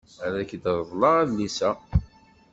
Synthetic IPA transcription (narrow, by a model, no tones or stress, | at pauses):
æɾæçd̪ɾˤðˤlɑʁæðlisæ